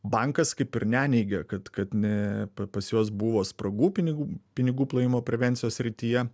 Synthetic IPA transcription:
bɑŋkɐskɐɪpɪɾnʲæːnʲɛɪɡʲɛkɐt̪kɐt̪nʲɛɐpɐsjoːs̬buʋoːspɾɐɡuːpʲɪnʲɪɡupʲɪnʲɪɡuːplˠɐjɪmoːpʲɾʲɛʋʲɛnʲtsʲɪjoːssʲɾʲɪt̪ʲijɛ

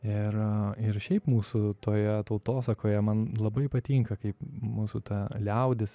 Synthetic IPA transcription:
ɪɾɪɾʃʲɛɪpmuːsʊt̪oːjɛt̪ɐʊt̪oːsɐkoːjɛmɐnlˠɐbɐɪpɐt̪ʲiːŋkɐkɐɪpmuːsʊt̪ɐlʲɛʊd̪ʲɪs

